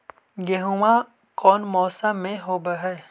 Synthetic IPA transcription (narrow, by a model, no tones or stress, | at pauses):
ɡeɦuwã | kɔːnmɔːsamːẽɦoːbəɦɛː